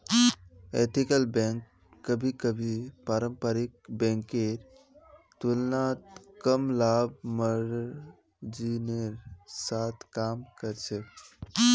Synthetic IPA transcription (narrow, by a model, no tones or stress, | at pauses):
ḛt̪ʰikəlbɛ̃ŋkː | əbʱikəbʱipaɾəmpəɾik̚bɛ̃ŋkeɾ | t̪ulnat̪kəmlabməɾ | d͡ʒineɾsat̪ʰkaːmkəɾt͡ʃʰɛ